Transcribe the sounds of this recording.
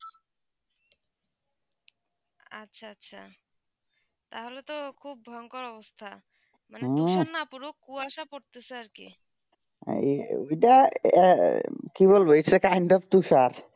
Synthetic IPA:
a̰tːɕʰaatːɕʰa | t̪aɦolet̪okʰub̚ːʱɔoŋkoɾɔbost̪ʰa | manẽuʃanapuɾokuaʃapoɾt̪eseaɾkḭ | o̰jʈa | kiβolboisekajɳɖɔft̪uʃaɾ

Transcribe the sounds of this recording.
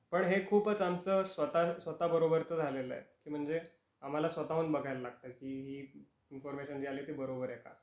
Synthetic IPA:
pəɳɦekʰuːpət͡samt͡səːsʋət̪asʋət̪abəɾobəɾt͡səːd͡zʱalelə̰ḛkiːm̤əɳd͡ze | am̤alasʋət̪auːnbəɡʱajləlaɡ̚t̪əkiːɦiː | infɔɾmeɕənd͡ʑialiːt̪ibəɾobəɾjɛka̰

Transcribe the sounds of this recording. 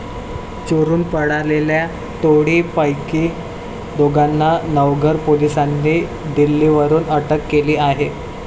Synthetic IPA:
t͡ɕoɾuːnpəɽalelja | t̪oɽipəjkiː | d̪oɡanːanəʋɡʱəɾpolisanːi | d̪ilːiʋəɾuːnəʈəkːeliːaɦe

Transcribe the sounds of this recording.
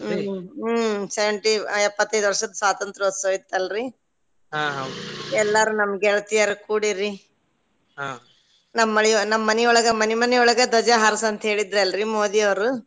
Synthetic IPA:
sɛʋeɳʈiɛpːɐt̪ːɐjd̪uʋɐɾʂɐd̪ɐswaːt̪ɐnt̪ɾɐɐsoːit̪ːɐlɾi | ɦaɦaɛlːaɾunɐmɐɡɛɭɐt̪ijaɾekuːɽiɾi | ɦã | nɐmːɐɭɛjnɐmːɐːɐnɛɔɭɐɡɐmɐnimɐnɛɔɭɐɡɐd̪ɔd͡ʒɐɦɐɾɐsɐnt̪ɐɦe̞ːɭid̪ɾeɐlɾimoːd̪iɐʋɐɾu

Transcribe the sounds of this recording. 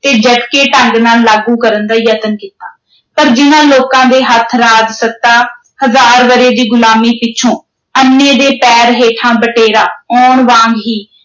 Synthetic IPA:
t̪eːd͡ʒəɖkeːʈəŋɡnaːlːaːɡũːkəɾənd̪aːjət̪ənkiːt̪aː | pəɾd͡ʒɪnãːloːkãːd̪eːɦət̪ʰɾaːd͡ʒsət̪aː | həzaːɾʋəɾeːd̪iːɡʊlaːmiːpɪːt͡ʃʰõː | ənːẽːd̪eːpɛːɾɦeːʈʰãːbəʈeːɾaːɔːɳʋãːŋɡɦiː

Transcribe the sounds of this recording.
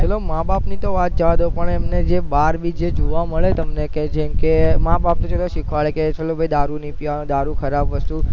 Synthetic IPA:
t͡ʃelomabapnit̪oʋat̪̚d͡ʒəʋad̪opəɳemned͡ʒebaɾbʱid͡ʒed͡ʒoʋaməɭet̪əmneked͡ʒɛmkemabap̚t̪ot͡ʃeloʃikʰʋaɭeket͡ʃʰelobʱəjd̪aɾunipjand̪aɾukʰəɾabʋəst̪u

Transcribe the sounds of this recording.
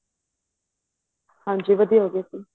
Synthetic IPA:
hãːd͡ʒiːʋəd̪ijaɦoːɡat̪i

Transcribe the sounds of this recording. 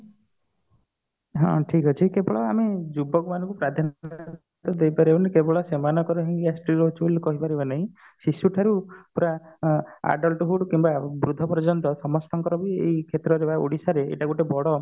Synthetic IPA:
ɦɔ̰̃ʈʰikɔt͡ʃʰikebɔɭɔamed͡ʒubɔkɔmanɔŋkupɾad̪ʱan | t̪ɔd̪ejpaɾibɔnakebɔɭɔsemanɔkɔɾɔɦiŋɡiasʈiɾɦot͡ʃʰubolukɔɦipaɾibanaɦĩ | sisuʈʰaɾupuɾa | a̰ɖɔlʈɔɦuɽukimbabɾud̪ʱːɔpɔɾd͡ʒɔnt̪ɔsɔmɔst̪ʰɔŋkɔɾɔbieikʰet̪ɾɔɾebaṵɽisaɾḛːʈaɡuʈebɔɽɔ

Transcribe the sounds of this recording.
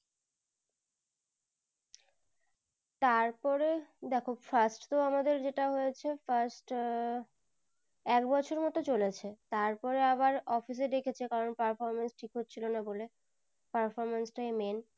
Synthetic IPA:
t̪aɾpɔɾed̪ɛkʰofasʈt̪oamad̪eɾd͡ʑeʈaɦojet͡ɕʰefaɾsʈ | ɛkbɔt͡ɕʰoɾmɔt̪ot͡ɕolet͡ɕʰet̪aɾpɔɾeaβaɾɔfis̬ed̪ekʰet͡ɕʰekaɾonpaɾfɔɾmansʈʰikɦot̪ːt͡ɕʰilonabole | paɾfɔɾmansʈaemen

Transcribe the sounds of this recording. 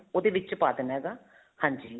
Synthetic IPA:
oːd̪eːʋɪt͡ʃpaːd̪ənɦɛːɡaː | hãːɲd͡ʒiː

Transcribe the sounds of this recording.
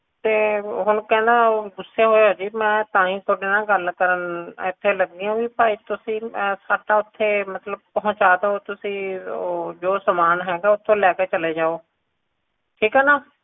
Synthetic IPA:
t̪eːɦʊnkɛ̃ːnd̪aːɡʊsːeːɦoːeɦoːd͡ʒiːmɛ̃ːt̪ãːĩːt̪ʰoɖeːnãːɡəlkəɾənɪt̪ʰːeːləɡ̚d̪iːõːʋiːpaːiːt̪ʊsĩːsaːʈaːʊt̪ʰːeːmət̪ləb̚pəɦʊ̃t͡ʃaːd̪eoːt̪ʊsĩː | d͡ʒoːsəmaːnɦɛːɡaːʊt̪ʰːõːlɛːkeːt͡ʃəleːd͡ʒaːoː | ʈʰiːkɦɛːnaː

